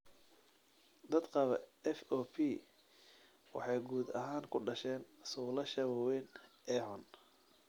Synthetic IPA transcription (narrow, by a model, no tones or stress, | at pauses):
d̪ɐd̪qɑβɐɛfɔːpʰi | wɑ̰ħɑjɡuːd̪ɐɦaːŋkʰʊɖɐʃɛːnsuːlɐʃɐβɔwɛnʔɛːħʊn